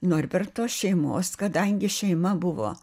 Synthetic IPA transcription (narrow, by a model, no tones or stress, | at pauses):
noːrʲbʲɛrt̪oːsʃʲɛɪmoːskɐd̪ɐŋʲɡʲɪʃʲɛɪmɐbʊʋo̰ː